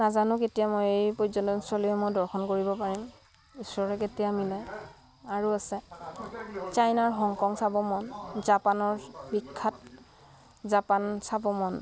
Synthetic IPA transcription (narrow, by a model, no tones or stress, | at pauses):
nazanʊketijamɔjejpɔzɔntɔnswaliɛmɔjdɔɹxɔnkoɹibɔpaɹim | isɔɹɛketijamilɛ | aɹuasɛ | t͡ʃajnaɹɦɔŋkɔŋsabɔmɔnzapanɔɹbikʰːat̚ | zapansabɔmɔn